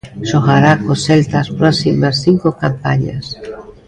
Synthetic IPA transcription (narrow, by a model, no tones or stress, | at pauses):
ʃoɣaɾakoselt̪aspɾɔsimasθiŋkokampaɲa̰s